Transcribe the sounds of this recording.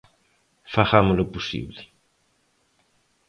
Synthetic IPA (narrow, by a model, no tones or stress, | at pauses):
faxamʊlopusḭβlɪ